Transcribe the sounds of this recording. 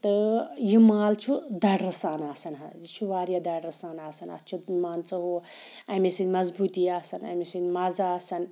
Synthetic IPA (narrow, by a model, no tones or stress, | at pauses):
t̪ɨjimaːlt͡ʃʰud̪ɐɖɾɐsaːnaːsɐnɦɐ̰t͡ʃʰuʋaːɾjɐd̪ɐɽɾɐsaːnaːsɐnɐ̰t̪t͡ʃʰumaːnt͡sɐɦo | ɐmesinʲmɐzbut̪iaːsɐnɐ̰misinmazaaːsɐn